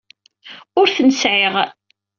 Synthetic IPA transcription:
ʊɾθənəsʕeʁ

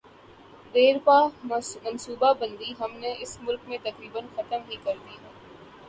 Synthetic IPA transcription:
d̪eːɾpaːmɐnsuːbabə̃nd̪iɦɐmneʔɪsmʊlkmẽt̪ɐkɾiːbənxɐt̪əmɦikɐɾd̪iɦɛː

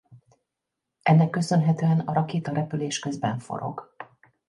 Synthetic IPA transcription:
ʔɛnːɛkːø̞sø̞nɦɛt̪øːɛnɒɾɒkeːt̪ɒɾɛpyleːʃkø̞zbɛɱfo̞̰ɾo̞̰ɡ

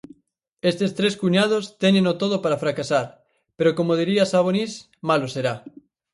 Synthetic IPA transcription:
est̪est̪ɾeskuɲað̞ost̪enẽnot̪oð̞opaɾafɾakasaɾ | peɾokomoð̞iɾiasaβ̞onis | maloseɾa

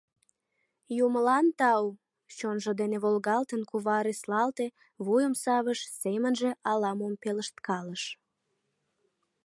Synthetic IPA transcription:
juməlɑnt̪ɑw | t͡ɕonʒod̪eneβolɣɑlt̪ənkuβɑɾislɑlt̪e | βujəmsɑβəʃsemənʒĕʔɑlɑmompeləʃt̪kɑləʃ

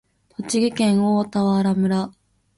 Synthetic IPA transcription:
t̪ʰo̞t͡ɕiɡʲikẽ̞ɰ̃oːt̪aβaɾamɯ̟ɾa

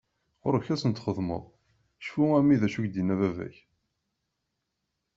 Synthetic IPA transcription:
ʁʊɾçæsənt̪χəðˤmə̰ðˤ | ʃfuæmiðæʃuçd̪inævævæ̰ç

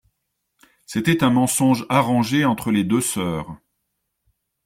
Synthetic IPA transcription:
set̪ɛt̪ɛ̃mɑ̃sɔ̃ʒaʁɑ̃ʒeɑ̃t̪χəled̪øsœːʁ

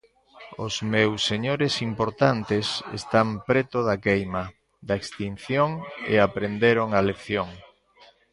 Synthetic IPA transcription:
ʊzmewsːeɲoɾesimpoɾt̪ant̪esḛst̪ampɾet̪oðakejmɐ | d̪aekst̪in̟θjoŋḛapɾend̪eɾoŋaleθjoŋ

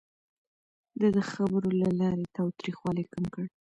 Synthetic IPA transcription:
d̪əd̪əxabəɾolalɑɾet̪ɑwt̪ɾixwɑlajkamkəɽ

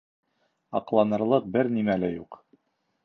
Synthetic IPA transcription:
ɑqlˠɑnɤ̆ɾlˠɤq̚bɘɾnimælɘjuq

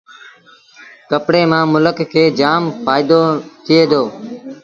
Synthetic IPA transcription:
kəpɽeːmãːmʊləkkʰːeːd͡ʒaːmpaːɪd̪oːt̪ʰɪeːd̪oː

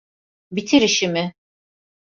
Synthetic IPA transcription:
bit̪ʰiɾiʃimɪ

